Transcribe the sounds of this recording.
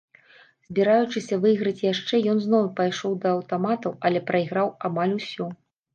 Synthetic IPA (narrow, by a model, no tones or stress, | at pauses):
z̥ʲbʲiɾajut͡ʂɨsʲɐvɨjɣɾɐt͡sʲjaʂt͡ʂɛjɔnznɔwpajʂɔwd̪ɐːwt̪amat̪ɐwɐlʲɛpɾɐiɣɾawamalʲusʲɔ